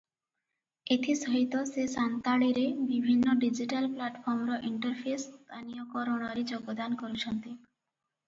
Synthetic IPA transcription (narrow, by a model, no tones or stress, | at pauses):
et̪ʰisɔɦit̪ɔsesant̪aɭiɾebibʱinːoɖid͡ʒiʈalplaʈpʰɔɾmɾɔʔiɳʈəɾpʰest̪anijokɔɾɔɽ̃ɔɾid͡ʒoɡod̪ankoɾut͡ʃʰɔnt̪i